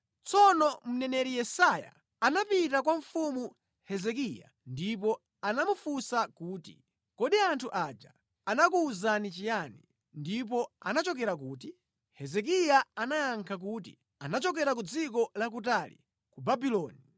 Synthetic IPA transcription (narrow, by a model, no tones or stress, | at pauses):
t͡sɔnɔm̩nɛnɛɾijɛsaja̰ | anapitak̬waɱfumu | hɛzɛk̬ija̰ | ndipɔ | anamufusakuːtḭ | kɔɗiantʰuʔad͡ʒa | anakuːzanit͡ʃijanḭ | ndip̬ɔanat͡ʃɔkɛɾak̬uːt̬i | hɛzɛk̬ijaanajaŋkʰak̬uːt̬ḭ | anat͡ʃɔk̬ɛɾak̬ud͡zikɔlak̬utalḭ | kubabilɔːni